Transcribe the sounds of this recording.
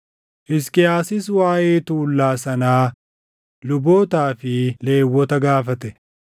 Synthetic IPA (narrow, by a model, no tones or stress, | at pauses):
ʔɪskɪjaːsɪswaːjeːt̪uːlːaːsɐnaː | lʊbo̞ːt̪aːfɪle̞ːwːɔt̪ɐɡaːfɐt̪ɛ